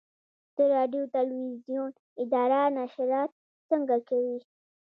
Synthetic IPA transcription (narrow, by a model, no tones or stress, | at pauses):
d̪̥əɾɑɖjot̪alwizjun | ɪd̪ɑɾanaʃɾɑt̪̚ | səŋɡakawi